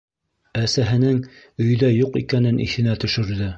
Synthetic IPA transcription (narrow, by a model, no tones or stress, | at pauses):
æsæɦɘ̆nɘŋ | ɵ̆j̆ðæjuqikænɘnʔḭθɘ̆næt̪ɵ̆ʃɵ̆ɾðɘ